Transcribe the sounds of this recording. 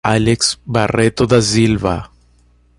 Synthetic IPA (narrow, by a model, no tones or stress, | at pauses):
aleksbaret̪oðas̬ilβa̰